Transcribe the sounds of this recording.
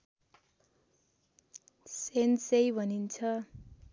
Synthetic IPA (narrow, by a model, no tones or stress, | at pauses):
sensejbʱʌnint͡sʰʌ